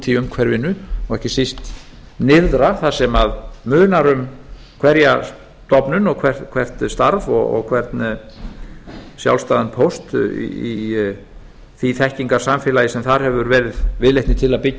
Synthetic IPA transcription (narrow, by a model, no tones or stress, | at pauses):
t̪ʰiʏmkʰvɛɾvɪnːʏɔɣɛhcɪsist̪ | nɪððɾaθasɛmaðmʏːnaɾʏm | kʰvɛɾja | t̪ɔpnʏnɔɣkʰvɛr̥t̪kʰvɛr̥t̪st̪aɾvɔ̰ɣɔ̰ɣkʰvɛɾt̪n | sja̰wlst̪aːðanpʰowst̪ḭi | θiθɛhciŋkḁsamfɪlajɪsɛmθaɾ̥hɛvʏɾvɛːɾɪðvɪðlejht̪nɪt̪ʰɪlaðpɪcː